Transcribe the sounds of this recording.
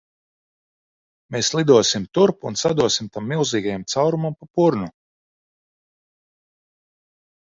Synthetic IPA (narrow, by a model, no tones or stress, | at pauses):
meːslˠid̪uɔsimt̪uɾpunsad̪uɔsimt̪amːilˠziːɡajamt̪sawɾumampapuɾnu